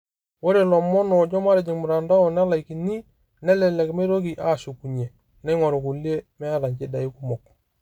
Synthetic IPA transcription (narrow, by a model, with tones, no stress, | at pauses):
wo˦ɾe˨lɔ˨mɔ˦nɔ˨d͡ʒɔ˦ma˦ɾe˨d͡ʒi˨ŋmu˨ɾa˨nda˦ɔ˨n˦a˦la˨i˨ki˨ni˦ | nɛ˦lɛ˨lɛ˨kme˦ɾo˦k̬i˨ʔa˦˨su˨ku˨ɲe˨ | nɛ˦ŋɔ˨ɾo˨ku˨li˦e˦mɛ˦a˦ɾa˨ɲɟe˦da˨i˦ku˦mɔ˨k